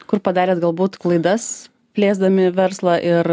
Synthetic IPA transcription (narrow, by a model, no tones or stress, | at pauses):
kʊrpɐd̪ɑːɾʲeːt̪ɡɐlˠbuːt̪klˠɐɪd̪ɐs | pʲlʲeːzd̪ɐmʲɪʋʲɛɾslˠɑʔɪɾ